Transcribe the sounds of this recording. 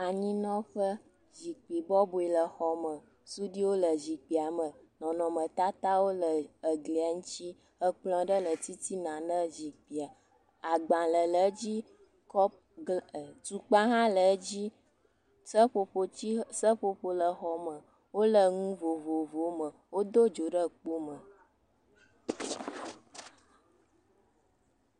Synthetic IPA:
a˨ɲĩ˦nɔ̃˦ɸə˦ | zi˨k͡pi˨bɔ˦bo˨i˨lə˨xɔ˨mə̃˨ | su˦ɖi˦wo˦lə˨zi˨k͡pi˨a˨mə̃˨ | nɔ̃˨nɔ̃˨mə̃˨t̪a˦t̪a˦wo˦lə˨ə˨ɡli˨a˨ŋũ˦t͡ʃi˦ | ə˦k͡plɔ̃˨ɖə˦lə˨t̪i˦t̪i˦nã˨nə̃˦zi˨k͡pi˨a˨ | a˨ɡ͡bã˨lə˨lə˨˦d͡ʑi˦ | kɔ˦ | tu˨k͡pã˦ɦã˦lə˨˦d͡ʑi˦ | sə˦ɸo˨ɸo˦t͡ɕi˦sə˦ɸo˨ɸo˨lə˨xɔ˨mə̃˨ | wo˦lə˨ŋũ˦vo˨vo˨vo˨mə̃˨wo˦d̪o˦d͡ʒo˨ɖə˦k͡po˦mə˨

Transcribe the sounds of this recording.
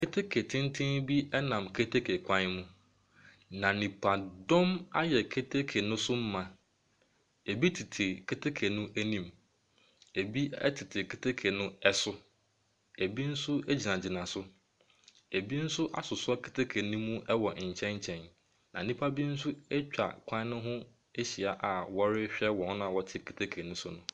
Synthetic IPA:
kʰe˦tʰe˦kʰe˨tʰɪ̃˦ntʰɪ̃˦nbi˦ɛ˦nã˨mkʰe˦tʰe˦kʰe˨kʷʰã˦n˦mũ˦ | nã˨nĩ˨pʰa˨dɔ̃˦ma˦jɛ˨kʰe˦tʰe˦kʰe˨nʊ̃˦sʊ˦m̩˦mã˨ | e˨bi˦tʰɪ˨tʰɪ˨kʰe˦tʰe˦kʰe˨nʊ̃˦ʔæ˦nĩ˨m | e˨bi˦ɛ̰˦tʰɪ˨tʰɪ˨kʰe˦tʰe˦kʰe˨nʊ̃˦ɛ˦sʊ˦ | e˨bi˦n̩˦sʊ˦e˦d͡ʑi˨nã˨d͡ʑɪ˨nã˨sʊ˦ | e˨bi˦n̩˦sʊ˦ʔa̰˦sʊ˨sʊ˦ɔ˦kʰe˨tʰe˦kʰe˨nʊ̃˦mũ˦ʔɛ˦wɔ˨ɲ̩˨t͡ɕʰɛ̃˦ɲ˦t͡ɕʰɛ̃˨n | nã̰˨n˨nĩ˦pʰa˦bi˦n̩˦sʊ˦ɛ˦t͡ɕᶣa̰˨kʷʰã˦nʊ̃˦ɦʊ̃˦ | e˦ɕi˨a˨ʔa˨wɔ˦ɾɪ˦ɕᶣɛ˦wɔ̃˨hʊ̃˦nʊ̃˦a˨wɔ˨tʰɪ˦kʰe˨tʰe˦kʰe˨nʊ̃˦sʊ˦nʊ̃˦

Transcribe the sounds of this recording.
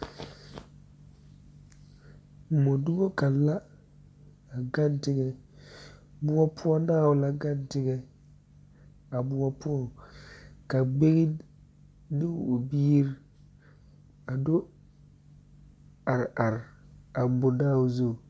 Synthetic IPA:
mɔ˨dʊ˦ɡo˦ka˨la˦ | a˨ɡa˦n˦tɪ˦ɡɛ˦ | bʊ˦ɔ˦pʰʊ˦ɔ˦naː˦˨wʊ˨la˦ɡa˦˨ntɪ˦ɡɛ˦ | a˨bʊ˦ɔ˦pʊ˦ɔ˨ | ka˨ɡ͡be˦ɣi˦ | dɪ˦wo˨biː˦ɾ | a˨dʊ˦ | a˨ɾa˨ɾa˨bʊ˨daː˦˨ʊ˨zo˦˨

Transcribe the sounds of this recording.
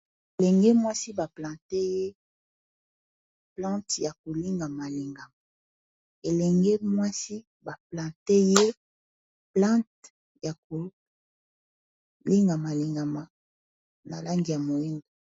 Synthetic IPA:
e˨lɛ˨ŋɡe˦mwa˦si˦ba˨plã˨te˦je˦ | plã˦tja˨ko˨li˦ŋɡa˨ma˨li˨ŋɡa˨ma˨ | e˨lɛ˨ŋɡe˦mwa˦si˦ | ba˨plã˨te˦je˦ | plã˦t | ja˨ko˨ | li˦ŋɡa˨ma˨li˨ŋɡa˨ma˨ | na̰˨la˦ŋɡi˨ja˨mo˨i˦ŋɡo˨

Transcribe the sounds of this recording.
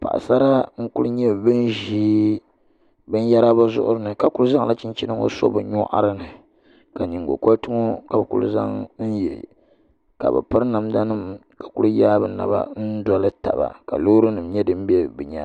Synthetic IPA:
pa̰˨ʔsa˦ɾa˦ŋ̩˦ku˦ɾɲɛ˦bɨ˦nʒiː˦ | bɨ˦n˦ja˦ɾa˦ba˦zʊ̰˦ʔʊ˦ɾɨ˦nɨ˨ka˦˨ku˦ɾu˦za˦ŋla˦t͡ʃi˦nt͡ʃi˦nɨ˦ŋo̰˦so̰˦bɨ˨ɲɔ˦ʔa̰˦ɾɨ˦nɨ˨ | ka˨ni˨ŋɡo̰˨ko˦ltʊ˦ŋo˦ka˨bɨ˨kṵ˦l̰za̰˦ŋn̩˦jɛ˨ | ka̰˨bɨ̰˨pɨ˦ɾna˨mda˦nɨ˦˨m | ka˨ku˦ɾjaː˦bɨ˨na̰˨ba̰˦n̩˦dɔ˦lɨ˦ta̰˨ba̰˨ka̰˨lo˦ɾɨ˦nɨ˨mɲɛ˦dɨ˦m̩˦bɛ˦bɨ˨ɲa˦

